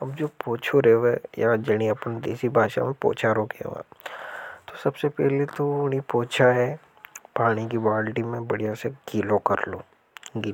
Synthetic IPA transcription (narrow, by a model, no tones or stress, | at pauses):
ɐbd͡ʒoːpoːt͡ʃʰoɾɛʋɛjad͡ʒɐɽ̃iɐpənd̪ḛːsibʱaːʃa̰mẽpo̰ːt͡ʃʰaɾoːkɛ̰ʋa̰ | t̪osɐbsepɛɦlet̪oʊnipoːt͡ʃʰaɦɛ | paːɽ̃ikiʋaːlʈimẽbɐɽijaseɡiːlokɐɾlo̰ | ɡiː